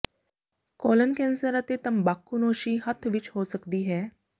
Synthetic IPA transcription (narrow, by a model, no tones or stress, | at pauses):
kɔlənkɛ̃nsəɾət̪et̪əmbakːunoːʃiːɦət̪ʰʋit͡ʃhosəkd̪iːɦɛː